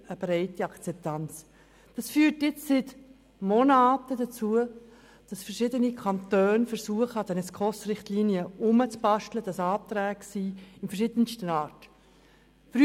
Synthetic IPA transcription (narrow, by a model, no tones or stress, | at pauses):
əb̥ɾɛɪtiɑkt͡sɛp̚tɑnt͡s | d̥ɑsfyːɾtjɪt͡ssɪt | monaːtədat͡suə | d̥ɑsfɛrʃɪdənikʰɑntœːnfəɾsuəχəɑdɛnɛskχɔsrɪχtliːnjəʔʊmət͡sb̥ɑʃtləd̥ɑsɑːt̪ɾɛːɡ̥siːɪnfɛɾʃɪd̥̪ənstənɑːɾt | fy